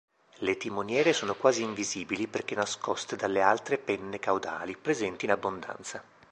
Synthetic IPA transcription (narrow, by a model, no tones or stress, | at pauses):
let̪imonjɛːɾesoːnokwaːziːɱviziːbiliperk̟enːaskɔst̪ed̪alːealt̪ɾepɛnːekawd̪a̰ːlipɾezɛnt̪iːnabːond̪a̰nt̪sa